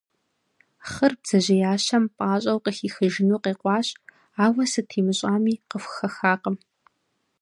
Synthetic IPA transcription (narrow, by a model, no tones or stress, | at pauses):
χərbz̥ɐʑɐjaːɕɐmpʼaːɕʼɐwqəxiːxɨʒɪnuːqeːqʷɑːɕʼ | aːwɐsɨtʰiːmɨɕʼaːmiːqəfʷxɐxaːqəm